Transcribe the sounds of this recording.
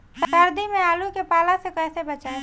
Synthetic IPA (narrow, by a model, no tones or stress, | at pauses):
ssəɾd̪ʱimẽaːlukepaːlasekɛːsebət͡ʃaːẽ